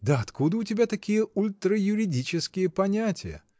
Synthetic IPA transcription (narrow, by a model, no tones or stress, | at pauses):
d̪əɐt̪kud̪əʊtʲɪbʲat̪ɐkʲijəʊlʲt̪ɾəjʊɾʲɪdʲit͡ɕɪskʲɪjəpɐnʲætʲɪjə̰